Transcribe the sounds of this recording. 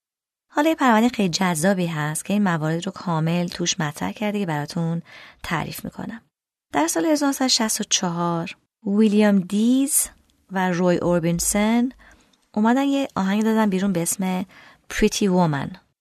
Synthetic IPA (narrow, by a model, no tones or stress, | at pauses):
hɒːlɒjepʰæɾvænd̪exejlid͡ʒæzːɒːbiːɦæst̪cʰe̞iːnmævɒːɾe̞d̪ro̞kʰɒːme̞lt̪ʰuːʃmæt̪ʰɾæ̰hcʰæɾd̪ecʰe̞bæɾɒːt̪ʰunt̪ʰæ̰ɾḭfmḭːkʰo̰næm | d̪̥æɾsɒːlehe̞zɒɔɾnosæd̪oʃæst̪ot͡ʃʰɒɦɒɾ | vilijamd̪iz | væɾojʔoɾbinsen | ʔumæd̪ænjeʔɒ̰ːɦæŋɡɟid̪ɒːd̪ænbiːɾunbe̞esme̞ | pʰɾit̪ʰivomæ̰n